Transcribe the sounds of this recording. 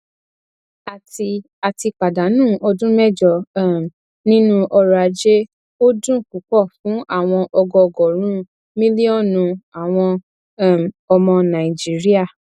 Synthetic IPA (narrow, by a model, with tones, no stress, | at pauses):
a˨ti˧ | a˨ti˧k͡pa˨da˨˦nũː˦˨ɔ˧dũ˦mɛ˦d͡ʒɔ˨˦˨ | nĩ˦nũ˦ʔɔ˧ɾa˧d͡ʒe˦ | o˦dũ˦˨ku˨˦k͡pɔ˦˨fũ˨˦ʔa˦˨w̃ɔ̃˧ʔɔ˧ɡɔ˧ɡɔ˨ɾ̃ũ˦ | mĩ˦li˦ɔ˦˨nũ˨˧a˨w̃ɔ̃˧˦˨ | m˨ɔ˧mɔ̃˧nã˨i˨d͡ʒi˦ɾi˦a˦˨